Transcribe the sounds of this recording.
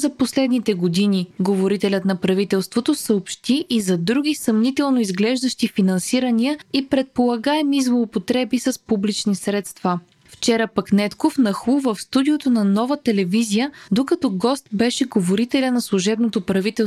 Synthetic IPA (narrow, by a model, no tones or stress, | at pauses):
zɐposlɛd̪nit̪ɛɡod̪iniɡovoɾit̪ɛlʲət̪nɐpɾɐvit̪ɛlˠst̪vot̪osəopʃt̪iʔːzɐd̪ɾuɡʲisɐmnit̪ɛlˠnoizɡlɛʒd̪ɐʃt̪ifinɐnsiɾəniəipɾɛt̪̚polˠɐɡaɛmizlˠoːpot̪ɾɛbisɐspublit͡ʃnisɾɛt̪st̪va | ft͡ʃɛɾəpɐknɛt̪kofnɐxˠuvəfst̪ud̪iot̪onɐnɔvət̪ɛlɛvizijəd̪okɐt̪ɔɡɔst̪bɛʃɛɡovoɾit̪ɛlʲənɐslˠuʒɛbnot̪opɾɐvit̪ɛ